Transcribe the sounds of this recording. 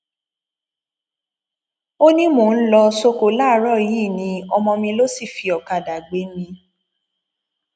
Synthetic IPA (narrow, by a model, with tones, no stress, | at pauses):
o˦nĩ˦mõ˨n̩˦lɔ˧so˧ko˨˦laː˦ɾɔ˦˨jiː˦˨nĩ˧˦ɔ˧mɔ̃˧mĩ˧lo˦si˦˨fi˧ɔ˨ka˨da˨ɡ͡be˨˦mĩ˧